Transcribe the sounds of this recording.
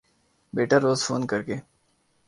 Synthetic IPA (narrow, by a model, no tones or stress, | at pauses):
beːʈəɾːoːzfoːnkɐɾkeː